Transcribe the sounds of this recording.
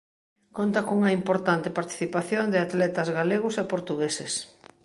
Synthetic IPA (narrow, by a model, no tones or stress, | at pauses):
kont̪ɐkuŋɐimpoɾt̪ant̪ɪpaɾt̪i̥θipaθjond̪ɪat̪lɛt̪ɐzɣaleɣʊsepoɾt̪uɣeses